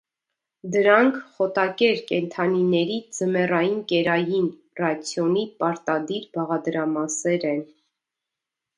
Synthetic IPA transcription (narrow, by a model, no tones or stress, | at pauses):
d̪əɾɑŋkʰχɔt̪ɑkɛɾkɛnt̪ʰɑninɛɾid͡zəmɛrɑjinkɛɾɑjin | rɑt͡sʰjɔnipɑɾt̪ɑd̪iɾbɑʁɑd̪ɾɑmɑsɛɾɛn